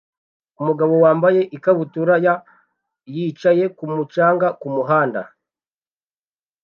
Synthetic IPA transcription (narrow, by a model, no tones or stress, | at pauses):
umuɡaβo̞waːmbaje̞ʔikaβutuɾaja | jiːt͡ʃaje̞kumut͡ʃaːŋɡakumuɦaːnda̰